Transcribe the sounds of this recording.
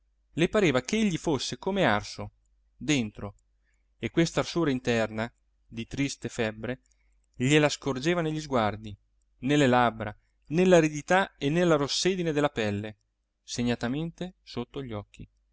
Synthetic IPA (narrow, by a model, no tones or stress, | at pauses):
lepaɾeːvakeeʎːifosːekoːmearso | d̪ent̪ɾo | ekwest̪aːrsuːɾaint̪ɛrna | d̪it̪ɾist̪efɛbːɾe | ʎelaskord͡ʒeːvaneʎːizɡward̪i | nelːelabɾa | nelːaɾed̪it̪aenːelːaɾosːeːd̪ined̪elːapɛlːe | seɲːat̪ament̪esot̪ːoʎːɔkʰːi